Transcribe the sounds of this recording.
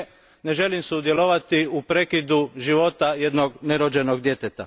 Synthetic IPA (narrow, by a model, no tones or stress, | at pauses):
ne̞ʒe̞limsud̪je̞lo̞ʋat̪iupɾe̞kid̪uʒiʋo̞t̪aje̞d̪noɡne̞ɾod͡ʑe̞noɡd̪je̞t̪et̪a